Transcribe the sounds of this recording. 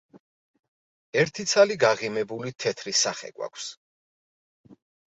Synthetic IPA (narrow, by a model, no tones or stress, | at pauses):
ɛɾt̪ʰit̪sʰaliɡaʁimɛbulit̪ʰɛt̪ʰɾisaχɛ̰ɡwa̰kʷʰs